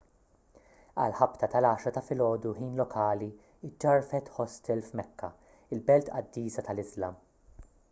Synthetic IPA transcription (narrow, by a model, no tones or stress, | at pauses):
ɐ̰lħɐpt̪ɐt̪ɐlɐːʃɾɐt̪ɐfɪlɔːd̪uħiːnlɔkʰɐːli | ɪd͡ʒːɐɾfɛt̪ħɔst̪ɛlfmɛkʰːɐ | ɪlbɛlt̪ɐ̰d̪ːiːsɐt̪ɐlɪzlɐm